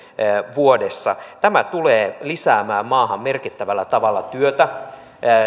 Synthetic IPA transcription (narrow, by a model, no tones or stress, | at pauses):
ʋuodesːɑt̪æmæt̪uleːlisæːmæːmmɑːhɑmmerkit̪ːæʋælːæt̪ɑʋɑlːɑt̪yøt̪æ